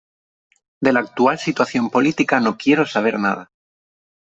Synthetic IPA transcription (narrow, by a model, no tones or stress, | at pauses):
d̪e̞laːk̚t̪ualsit̪waθjo̞mpo̞lit̪ikano̞kje̞ɾo̞saβ̞e̞ɾnað̞a